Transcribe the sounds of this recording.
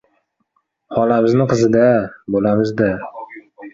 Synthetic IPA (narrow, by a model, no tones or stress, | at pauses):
hɒlamɪznɪqʰɨzɪd̪abolamɪzd̪a